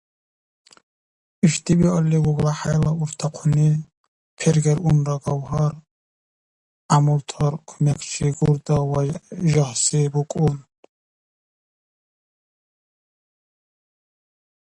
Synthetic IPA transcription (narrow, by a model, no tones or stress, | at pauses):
iʃt̪ʼibiɔliɡɔɡlaħajlauɾt̪ʰaqʰuni | pʰɛɾɡɛɾunɾaɡɔwɦɔɾ | amɔlt̪ʰɔɾkʰmɛkʰt͡ʃʰiɡuɾd̪ɔwaʒɔhsibukʼun